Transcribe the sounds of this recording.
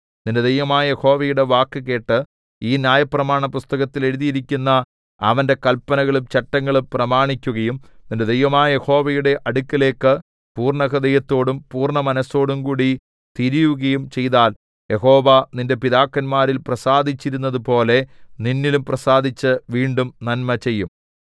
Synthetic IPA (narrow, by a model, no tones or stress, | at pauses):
ninde̞d̪ɐjʋɐmaːjɐje̞ho̞ːʋɐjuɽe̞ʋaːkːɨke̞ːʈːɨ | iːnjaːjɐprɐmaːɳɐpust̪ɐɣɐt̪ːile̞ɾuðijiɾikʲːunːɐ | ɐ̰ʋɐnde̞kɐlpːɐnɐɣɐɭumt͡ɕɐʈːɐŋːɐɭumprɐmaːɳikʲːuɣɐjumninde̞d̪ejʋɐmaːjɐje̞ho̞ːʋɐjuɽe̞ʔɐɽukʲːɐle̞ːkːɨ | puːrɳɐɣɐd̪ɐjɐt̪ːo̞ːɽumpuːrɳɐmɐnɐsːo̞ːɽumkuːɽi | t̪iɾijuɣɐjumt͡ɕe̞jðaːl | je̞ɦo̞ːʋɐninde̞piðaːkːɐnmaːɾilprɐsaːd̪ʱit͡ɕːiɾunːɐðupo̞ːle̞ninːilumprɐsaːd̪ʱit͡ɕːɨʋiːɳɖumnɐnmɐt͡ɕe̞jːum